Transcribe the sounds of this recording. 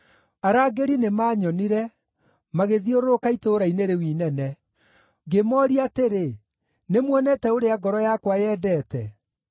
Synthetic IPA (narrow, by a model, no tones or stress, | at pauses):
aɾaːɡeɾinemaɲɔniɾɛ | maɣeðioɾokaitoːɾaineɾewiːnɛnɛ | ɡemɔːɾiateɾe | nemwɔnɛtɛoɾeaɡɔɾɔjakwajɛːdɛːtɛ